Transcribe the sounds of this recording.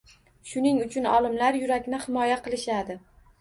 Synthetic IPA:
ʃʊnɪŋʊt͡ʃʰʊnɒ̰lˠɪmlaɾjʊɾakʲnɪhɪmɒjaqʰɨlˠɪʃad̪ɪ

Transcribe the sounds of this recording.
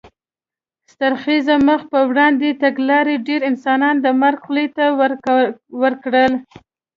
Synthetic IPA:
st̪aɾxizaməxpəwɽɑnd̪et̪aɡlɑɾeɖeɾɪnsɑnɑnd̪əmaɾɡlet̪a | wəɾkɽəl

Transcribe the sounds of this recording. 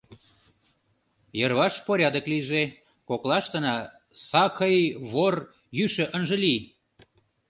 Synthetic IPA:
jərβɑʃpoɾʲɑd̪əkliʒe | koklɑʃt̪ə̆nɑ | sɑkəjβor | jyʃə̆ʔənʒə̆li

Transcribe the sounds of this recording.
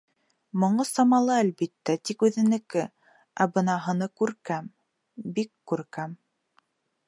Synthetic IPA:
mŏɴɤsɑmɑlˠɤælbit̪ːæt̪ikʉðɘ̆nɘ̆kɘ | æbɤnɑɦɤ̆nɤkʉɾkæm | bikːʉɾkæm

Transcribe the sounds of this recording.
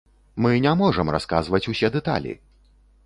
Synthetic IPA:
mɨnʲamɔʐɐmra̰skazvɐt͡sʲusʲɛd̪ɛt̪a̰lʲḭ

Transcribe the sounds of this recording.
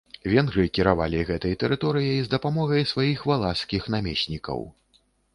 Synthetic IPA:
vʲɛnɣɾɨkʲiɾava̰lʲiɣɛt̪ɐjt̪ɛɾɨt̪ɔɾɨjɐjzd̪ɐpamɔɣɐjsvajixvalˠaskʲixnamʲesʲnʲikɐ̰w

